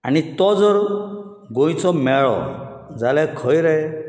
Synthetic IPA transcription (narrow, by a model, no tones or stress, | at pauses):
a̰ɽ̃it̪ɔd͡ʒɔɾ | ɡoj̃t͡ʃɔmɛɭɔ̰d͡ʒalɛkʰɔjɾɛ